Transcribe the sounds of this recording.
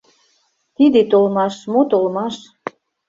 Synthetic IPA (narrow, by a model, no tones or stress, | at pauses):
t̪id̪et̪olmɑʃmot̪olmɑʃ